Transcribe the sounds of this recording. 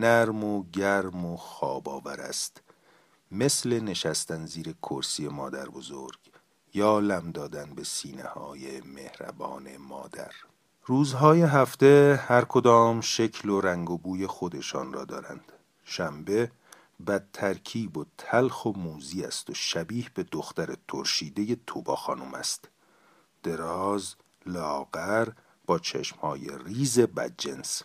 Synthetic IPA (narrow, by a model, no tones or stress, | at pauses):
næɾmoɟæɾmoxɒːbɒːvæɾæ̰st̪ | me̞sle̞ne̞ʃæst̪ænziːɾe̞kʰoɾsiːje̞mɒːd̪æ̰ɾbo̞zo̰ɾɡ̥ | jɒːlæmd̪ɒːd̪ænbe̞siːnḛhɒːjeme̞hɾæ̰bɒ̰ːne̞̰mɒ̰ːd̪æ̰ɾ | ruːzɦɒːje̞ɦæft̪e̞hæɾkʰod̪ɒːmʃecʰloɾæŋɡobuːje̞xod̪e̞ʃɒ̰ːnrɒ̰ːd̪ɒːɾæ̰nd̪̥ | ʃæmbe̞ | bæd̪ʰæɾcʰiːbot̪ʰælxomuːziːæ̰st̪oʃæbiːhbe̞d̪oxt̪æɾet̪ʰoɾʃiːd̪e̞je̞t̪ʰobɒːxɒːnumæ̰st̪ | d̪̥e̞ɾɒːz | lɒːɣæɾ | b̥ɒːt͡ʃʰḛʃmhɒːje̞̰riːze̞bæ̰d̪̚d͡ʒens